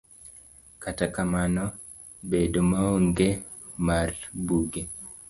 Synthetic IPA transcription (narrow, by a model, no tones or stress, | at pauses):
katakamanɔ | bedomaoŋɡe | marbuɡe